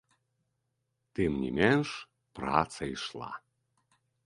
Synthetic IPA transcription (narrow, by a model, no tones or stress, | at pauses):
t̪emnʲḭmʲɛnʃ | pra̰t͡saiʃlˠɑ̰